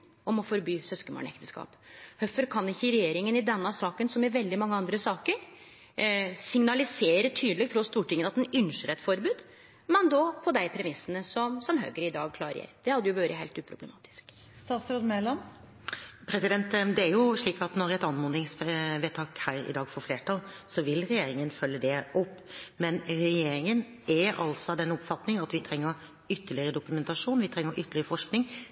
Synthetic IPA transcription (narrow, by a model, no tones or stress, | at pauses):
ɔmɔfɔɾbyːsœskəmo̰ːɳɛ̰kt̪əskɑ̰ːphœfəɾkʰɑnɪçːəɪɾɛjeːɾɪŋənɪd̪ɛnːəsɑːkənsɔmɛʋɛld̪ɪmɑŋːəɑnd̪ɾəsɑːkəɾ | sɪŋnɑlɪseːɾət̪ʰyːd̪lɪɡt̪ʰɾɔst̪uːʈɪŋːənɑt̪ɛnʏnʂəɾɛt̪fɔɾbʉːd̪ | mɛnd̪ɔpʰɔd̪æɪpʰɾɛmɪsːənəsɔmsɔmɦø̰ːɡəɾɪd̪ɑːɡ̚kʰlɑːɾəjḛɾd̪̥ɛhɑd̪ːəjʊbøːɾəheɪlt̪ʉːpʰɾʊbləmɑ̰ːt̪ɪ̥sk | sɑsɾud̪mɛlɑm | pʰɾɛsɪd̪ɛnt̪d̪ɛæɾjʊʂɭiːkɑt̪nɔɾɛt̪ɑnmʊnd̪ɪŋsʋɛt̪ʰɑːkhæːɾɪ̰d̪ɑːɡfɔɾfleːʈɑlsɔʋɪlːɾɛjeːɾɪŋənfœlːəd̪ɛʔɔpːmɛnɾɛjeːɾɪŋən | ʔɛɑ̰lsɔɑd̪ɛnɔpfɑt̪nɪŋɑt̪ʋɪt̪ʰɾɛŋːəɾ | ʏt̪ːəɭɪəɾəd̪ʊkʉmɛnt̪ɑʂuːnʋɪt̪ʰɾɛŋːəɾʔʏt̪ːəɭɪəɾəfɔʂknɪŋ